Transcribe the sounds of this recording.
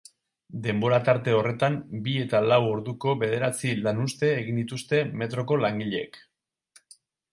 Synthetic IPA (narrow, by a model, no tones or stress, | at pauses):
d̪e̞mbo̞ɾat̪aɾt̪e̞o̞re̞t̪ambie̞t̪alawo̞ɾðuko̞βe̞ðe̞ɾat͡silanust̪e̞ːɣind̪it̪ust̪e̞me̞t̪ɾo̞ko̞laŋɡiʎeek